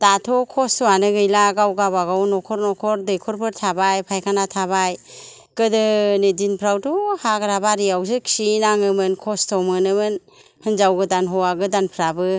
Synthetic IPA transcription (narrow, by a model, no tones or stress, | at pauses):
d̥atʰɔkʰɔstʰɔwanɯɡɯjlaɡawɡabaɡawnɔkʰɔɾnɔkʰɔɾdɯjkʰɔɾpʰɯɾtʰabajpʰajkʰanatʰaβaj | kɯdɯnedinpʰɾawtʰuhaɡɯɾabaɾiawzɯksinaŋɯmɯnkʰɔstʰɔmɯnɯmɯn | hɯnzawɡɯdanɦɔwaɡɯdanpʰɾabɯ